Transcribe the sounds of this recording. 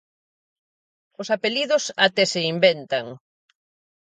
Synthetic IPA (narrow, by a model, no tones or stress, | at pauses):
ʊsapeliðʊsat̪ɛsɪimbent̪ɐŋ